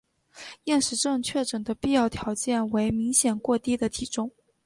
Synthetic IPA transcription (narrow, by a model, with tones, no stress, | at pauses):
jɛ˥˩nʂɻ̩˧˥ʈ͡ʂɤ˥˧ŋt͡ɕʰɥɛ˥˩ʈ͡ʂə˨˩nd̪ə˦pi˥˧jɑ˥˩ʊt̪ʰjɑ˧˥ʊt͡ɕjɛ˥˩nwe˧˥ɪmi˧˥ŋɕjɛ˨˩nkwɔ˥˧t̪i˥d̪ə˨t̪ʰi˨˩ʈ͡ʂʊ˥ŋ